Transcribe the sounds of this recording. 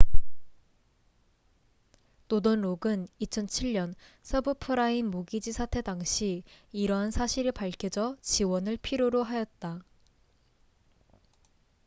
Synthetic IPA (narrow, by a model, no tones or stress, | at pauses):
todonɾoɡɯnit͡ɕʰʌnt͡ɕʰiɭɲʌnsʰʌbɯpʰɯɾainmoɡid͡ʑisʰatʰe̞daŋɕʰiːɾʌɦansʰaɕʰiɾɯpaɭkʰid͡ʑʌt͡ɕiwʌnɯɭpʰiɾjoɾoɦajʌt̚t͈a